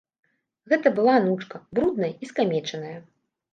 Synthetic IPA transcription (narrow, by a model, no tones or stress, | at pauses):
ɣɛt̪ɐbɨlˠanut͡ʂkɐbɾud̪̚nɐjɐiskamʲɛt͡ʂɐnɐjɐ